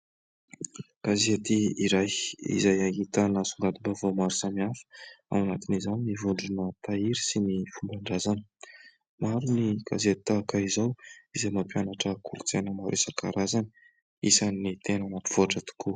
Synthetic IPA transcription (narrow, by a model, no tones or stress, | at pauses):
kazet̪iiɾajḭzajaɦit̪ənasuŋɡad̪ibavawmaɾusamiafə̥a̰wanat̪inizaninivuɳɖ͡ʐunət̪aiɾisinifumbaɳɖ͡ʐazanə̥ | maɾuniɡ̥azet̪akaizawizajmapianaʈ͡ʂəkʰuɾit͡senəmaɾʔesəkaɾazanə | isanit̪enənap̪i̥v̥oaʈ͡ʂət̪u̥kʰu